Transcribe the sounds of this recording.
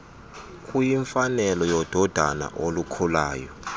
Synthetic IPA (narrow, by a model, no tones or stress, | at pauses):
kʼujiɱfanɛlɔjɔd̥ʱɔd̥ʱana̰ʔolukʰulaːjɔ